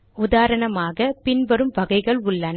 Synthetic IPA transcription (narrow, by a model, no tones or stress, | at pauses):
ʊðaːɾɐɳɐmaːɣɐpɪnʋɐɾɯmʋɐɣɐɪɣɐɭʊɭːɐn